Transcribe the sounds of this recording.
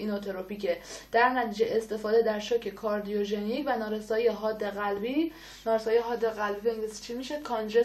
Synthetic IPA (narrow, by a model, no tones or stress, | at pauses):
inot̪ʰoɾopʰicʰed̪̥æɾnæt̪ʰiːd͡ʒeʔest̪e̞fɒːd̪ed̪æɾʃocʰe̞kʰɒɾd̪ijoʒenicʰvænɒːɾesɒːijeɦɒːd̪ːeɣælbi | nɒːɾesɒːjijeɦɒːd̪ːeɣælbibeŋɡlisi̥t͡ʃʰimiʃekʰɒnɾe